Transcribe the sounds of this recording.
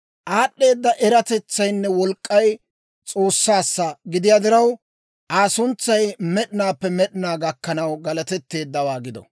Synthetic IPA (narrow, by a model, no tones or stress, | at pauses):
ʔaːɗːe̞ːd̪ːɐʔɛɾɐt̪ɛt͡sːɐjnːɛwɔlkʼːɐj | t͡sʼo̞ːsːaːsːɐɡɪd̪ɪjaːd̪ɪɾɐw | ʔaːsʊnt͡sːɐjmɛɗɪnaːpːɛmɛɗɪnaːɡɐkːɐnɐwɡɐlɐt̪ɛt̪ːe̞ːd̪ːɐwaːɡɪd̪ɔ̰